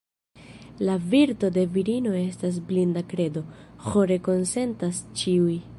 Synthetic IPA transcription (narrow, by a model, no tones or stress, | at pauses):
laviɾto̞de̞viɾino̞e̞stas̬blindakɾe̞do̞xo̞ɾe̞ko̞nse̞ntast͡ʃiuj